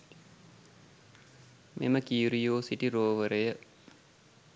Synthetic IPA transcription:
mʔḛməkiuɾijoːsiʈiɾoːʋəɾejə

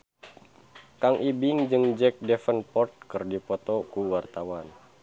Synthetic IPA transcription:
kaŋʔibɪŋd͡ʒɨŋd͡ʒɛk̚dɛfənpɔrt̪̚kɨrdipɔt̪ɔkuwart̪awan

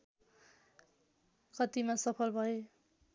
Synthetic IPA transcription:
kʌt̪imasʌpʰʌlbʱʌe

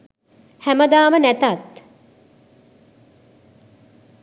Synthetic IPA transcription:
hæməd̪aːmənæt̪at̪

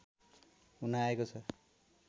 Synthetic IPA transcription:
unaːekot͡sʰʌ

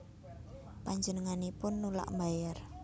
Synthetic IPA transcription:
paɲd͡ʒənəŋanipʊnːula̰ʔmbajar

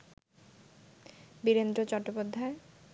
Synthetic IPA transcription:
biɾend̪ɾot͡ɕɔɾʈːopod̪ʱːae

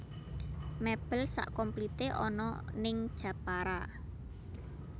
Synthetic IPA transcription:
meb̥ə̤lsa̰ʔkɔmplit̪eʔɔ̰nɔ̰nɪŋd̥ʒ̥ä̤paɾa̰

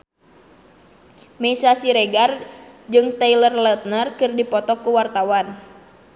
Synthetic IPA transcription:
mɛsasiɾeɡard͡ʒɨŋt̪ɛilərlət̪̚nərkɨrdipɔt̪ɔkuwart̪awan

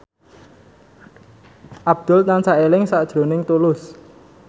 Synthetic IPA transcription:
ʔab̥̚d̪̥ʊ̤lt̪ansaelɪŋsaʔd̥ʒ̥ɾo̤nɪŋt̪ulʊs

